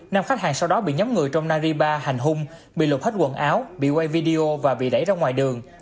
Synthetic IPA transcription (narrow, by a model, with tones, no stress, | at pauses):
naː˧mxa˦˥k̚haː˨˩ŋsa˧wɗɔ˨˦ɓḭ˧˨ɲɔ˨˦mŋɨ˨˩əjt͡ɕɔ˧wŋ͡mnaː˧zi˧ɓaː˧ha˨˩jŋ̟ɦʊ˧ŋ͡m | ɓḭ˧˨l̚xt̚kwə̰˧˨nʔaː˨˦wɓḭ˧˨wɛ˧jvi˧ɗi˧o˧vaː˨˩ɓḭ˧˨ɗə˧˩jzaː˧ŋwaː˨˩jɗɨ˨˩əŋ